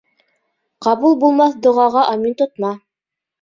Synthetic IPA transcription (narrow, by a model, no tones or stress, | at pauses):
qɑβulˠbulˠmɑθd̪ŏʁɑʁɑʔɑmint̪ŏt̪̚mɑ